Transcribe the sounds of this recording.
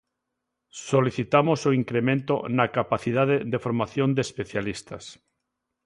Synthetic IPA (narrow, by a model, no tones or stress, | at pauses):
soliθit̪amosoiŋkɾemẽnt̪o̰nakapaθið̞aðeðefoɾmaθjõnd̪espeθjalist̪a̰s